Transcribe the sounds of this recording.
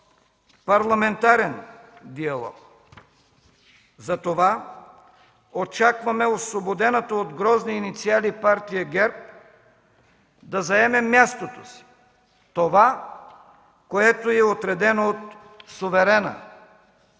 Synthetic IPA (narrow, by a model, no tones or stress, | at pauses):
paɾlˠamɛnt̪aɾɛnd̪ialˠɔ̰k | zat̪ova | ot͡ʃakvamɛoslobod̪ɛnat̪ood̪ɡɾɔzniːnit̪sialipaɾt̪ijaɡɛɾp̚ | d̪azaɛmɛmːjast̪ot̪o̥si̥ | t̪ova | koɛt̪oɛot̪ɾɛd̪ɛnoot̪ | sovɛɾɛna̰